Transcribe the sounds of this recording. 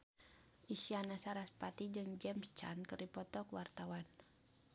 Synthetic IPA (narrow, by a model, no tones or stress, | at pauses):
ʔisianasaɾaspat̪id͡ʒɨŋd͡ʒɛmst͡ʃa̰nkɨripɔt̪ɔkwart̪awan